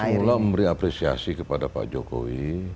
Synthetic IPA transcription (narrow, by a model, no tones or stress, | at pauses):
ulaməmbəɾiapɾesia̰sikəpadapa̰ʔd͡ʒoko̰wi